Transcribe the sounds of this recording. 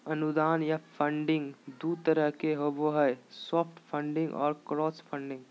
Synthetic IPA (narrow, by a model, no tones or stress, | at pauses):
ɐnʊd̪aːnjapʰə̃ɳɖɪ̃ŋɡd̪uːt̪əɾəɦkeɦoboɦɛɛsɔːpʰʈpʰə̃ɳɖɪ̃ŋɡɔ̰ːɾkɾɔːspʰə̃ɳɖɪ̃ŋɡ